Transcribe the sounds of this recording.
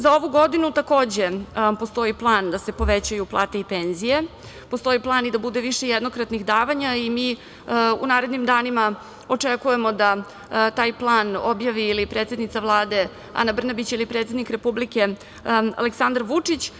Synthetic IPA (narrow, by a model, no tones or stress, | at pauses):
zao̞ʋuɡo̞d̪inut̪ako̞ːd͡ʑe̞po̞st̪o̞iplˠaːnd̪ase̞po̞ʋet͡ɕajuplˠa̰ːt̪e̞ipenzije̞ | po̞st̪o̞iplˠaːnid̪abud̪eʋiʃejɛd̪no̞kɾat̪nixd̪aːʋaɲaimiː | ṵnaːɾed̪nimd̪aːnima | o̞t͡ʂekuje̞mo̞d̪a | t̪aːjplˠaːnobjaʋiːlipɾet̪se̞d̪nit̪saʋlˠaːd̪e̞ | a̰nabr̩nabit͡ɕailipɾe̞t̪sed̪nikɾe̞publike̞ | a̰leksand̪ɾʋut͡ʂit͡ɕ